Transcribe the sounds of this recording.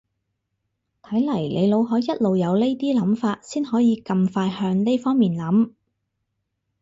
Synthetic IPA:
t̪ʰɐ˨˥jlɐ˨˩jlʔe˨˧jlo˨˧wɦɔː˨˥jɐ˥t̚lo˨wjɐ˨˧wle˥t̪iː˥lɐ˨˥mfaː˧t̚siː˥nɦɔː˨˥jiː˨˧kɐ˧mfaː˧jhœː˧ŋne˥jfɔː˥ŋmiː˨nlɐ˨˥m

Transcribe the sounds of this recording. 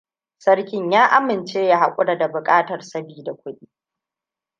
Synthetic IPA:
sɐ˦rkʲɪ˦ɲjaː˦ʔa˦mːɪ˨nt͡ʃeː˦jaː˦ha˨kʷʼʊ˦ɽa˨da˨bʊ˨kʼaː˦tɐ˨rsɐ˦biː˨da˨kʷʰʊ˦ɗiː˦

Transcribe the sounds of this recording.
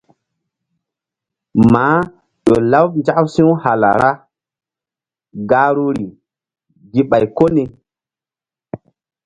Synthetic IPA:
maː˨˦ | ɗo˨la˦wnd͡ʒa˦ʔsĩ˦wha˨la̰˨ɾa˦ | ɡa˦ɾu˦ɾi˨ | ɡi˦ɓa˨jko˦ne˨

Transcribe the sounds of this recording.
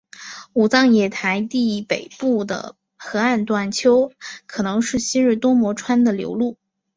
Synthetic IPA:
u˨˩t͡sɑ˥˩ŋjɛ˨˩t̪ʰa˧˥ɪt̪i˥˩˥pe˨˩ɪpu˥˩d̪ə̰˩ | xɤ˧˥a˥˧nt̪wa˥˩nt͡ɕʰjo˥ʊkʰɤ˨˩nɤ˧˥ŋʂɻ̩˥˩ɕi˥nɻ̩˥˩t̪wɔ˥mwɔ˧˥ʈ͡ʂʰwa˥nd̪ə˨ljo̰˧˥ʊlu˥˩

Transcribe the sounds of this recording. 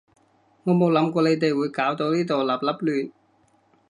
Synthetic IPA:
ŋɔː˨˧mo˨˧wlɐ˨˥mkɔː˧le˨˧jt̪e˨jwuː˨˧jkaː˨˥wt̪o˧wniː˥t̪o˨wlaː˨p̚lɐ˥p̚lyː˨˩n̚

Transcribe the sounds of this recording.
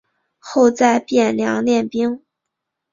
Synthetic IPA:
xo˥˧ʊt͡sa˥˧ɪpjɛ˥˩nljɑ̰˧˥ŋljɛ˥˩npi˥ŋ

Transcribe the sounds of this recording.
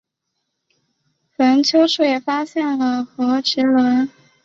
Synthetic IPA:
fə˧˥nt͡ɕʰjo˥ʊʂʰu˥˩jɛ˨˩fa˥ɕjɛ˥˩nlə˩xɤ˧˥ʈ͡ʂɻ̩˧˥lwə˧˥n

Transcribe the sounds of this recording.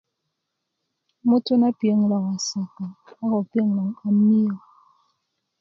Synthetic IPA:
mo˦to˦na˦pi˨e˦ŋ˨la˨ŋ˨a˨sa˨ka˨a˦ɣɔ˨pi˦e˦ŋ˨la˨ŋa˨mi˦ɔ˨

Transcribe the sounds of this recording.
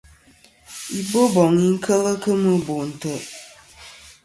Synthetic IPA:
i˦bo˦bɔ˨ŋi˦ŋ̩˦kʰə˦lə˦kə˦mɨ˦bo˨n̩˨tə˦

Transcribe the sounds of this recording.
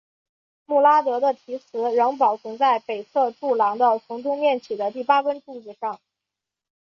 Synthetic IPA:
mu˥˩la˥t̪ɤ˧˥d̪ə˧t̪ʰi˧˥t͡sʰɹ̩˧˥ɻɤ˧˥ŋp̬ɑ˨˩ʊt͡sʰə˧˥ŋt͡sa˥˩ɪpe˨˩ɪt͡sʰɤ˥˧ʈ͡ʂu˥˩lɑ˧˥ŋd̪ə˧t͡sʰʊ˧˥ŋʈ͡ʂʊ˥ŋmjɛ˥˩nt͡ɕʰi˨˩d̪ə˦t̪i˥˩pa˥kə˥nʈ͡ʂu˥˩t͡s̩˥˩ʂɑ˥˩ŋ

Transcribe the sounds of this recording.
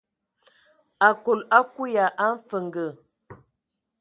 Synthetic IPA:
a˨ko˨la˦ku˦ja˨ʔa˦ɱ̩˦fə˨ŋɡə˨

